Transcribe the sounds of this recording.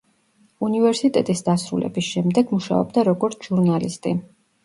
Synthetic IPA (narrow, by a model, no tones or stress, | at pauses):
univɛɾsit̪ʼɛt̪ʼisd̪asɾṵlɛ̰bisʃɛmd̪ɛɡmuʃa̰ɔ̰bd̪aɾɔɡɔɾt̪sʰʒ̥uɾnalist̪ʼi